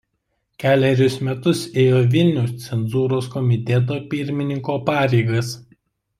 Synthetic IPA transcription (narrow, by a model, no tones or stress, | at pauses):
kʲæːlʲɛɾʲʊsmʲɛt̪ʊseːjoːʋʲɪlʲnʲɛʊst̪sʲɛnzuːɾoːskɔmʲɪt̪ʲɛt̪̬oːpʲɪɾʲmʲɪnʲɪŋkoːpɑːɾʲɛɪɡɐs